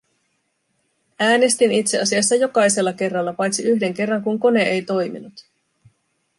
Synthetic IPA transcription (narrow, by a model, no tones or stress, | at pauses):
æːne̞st̪init̪se̞ɑsiɑsːɑjo̞kɑjse̞lːɑke̞rːɑlːɑpɑjt̪siyçde̞ŋke̞rːɑŋkuŋko̞ne̞ʔejt̪o̞jmḭnut̪